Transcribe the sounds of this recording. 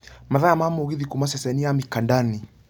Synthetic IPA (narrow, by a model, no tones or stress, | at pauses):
maðaamamɔɣiðikumasɛsɛniamikandani